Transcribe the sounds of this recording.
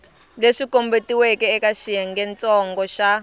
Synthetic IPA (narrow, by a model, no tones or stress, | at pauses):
leʂikombetiwekɛːkaʃijɛŋɡɛnt͡sɔŋɡɔʃa